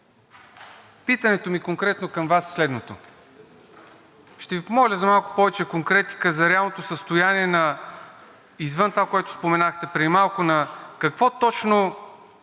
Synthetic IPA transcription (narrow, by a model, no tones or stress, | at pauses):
pit̪ənɛt̪omikoŋkɾɛt̪nokɐmvasːlɛd̪not̪o̰ | ʃt̪ɛvipomɔlʲəzɐmalˠkʊ̥pɔvɛt͡ʃɛkoŋkɾɛt̪i̥kəzɐɾɛalˠnot̪osəst̪ʊjaniɛnɐ | izvənt̪ovakoɛt̪ʊ̥spomɛnaxt̪ɛpɾɛd̪imalˠkʊnɐkɐkvɔt̪ɔt͡ʃno